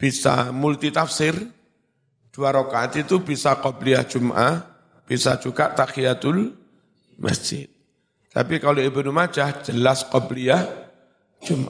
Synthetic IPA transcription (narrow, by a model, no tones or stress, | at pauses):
b̥isa̰mult̪it̪afsɪr | d̪̥uaɾɔkaat̪it̪ubisakɔbliahʒ̥umʔa̰h | b̥isḁd͡ʒ̥uɡaʔt̪akijat̪ʊl | mʔə̰sd͡ʒɪt̪̚ | t̪a̰pikaloibənumḁd͡ʒ̥ahd͡ʒ̥əlaskɔbliah | ʒ̥umʔa